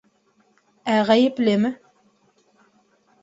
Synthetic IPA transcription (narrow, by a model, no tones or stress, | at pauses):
æʁæjɪplɘmɘ